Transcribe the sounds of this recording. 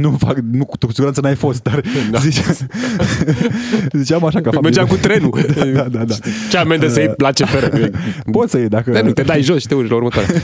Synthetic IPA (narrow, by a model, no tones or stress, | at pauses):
nufaknukːusiɡuɾansənajfo̞st̪̚d̪arzit͡ʃ | zit͡ʃeamaʃakafameɾd͡ʒamkut̪ɾenud̪aad̪ad̪at͡ʃamend̪əsəejlat͡ʃefeɾəupo̞t̪səjed̪akəɾenut̪ed̪ajʒosʃit̪euʃlauɾmət̪aɾḛ